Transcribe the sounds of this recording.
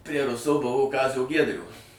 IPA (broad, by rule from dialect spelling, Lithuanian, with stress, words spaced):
pʲrʲiɛ ˈrʊsoː ˈbʊʋoː ˈkɑːzʲoː ˈɡʲiɛdʲrʲoː